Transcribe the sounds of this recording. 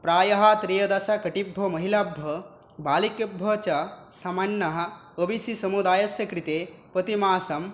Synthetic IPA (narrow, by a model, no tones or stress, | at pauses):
pɾaːjɐɦat̪ɾijɐd̪ɐsakɐʈibʱːɐmɐɦilabʱːɐ | baːlikjɐbʱːɐt͡ʃɐsɐmanːɐɦɐ̆ː | bisisɐmud̪aːjɐsjɐkɾit̪eːpɐt̪imaːsɐm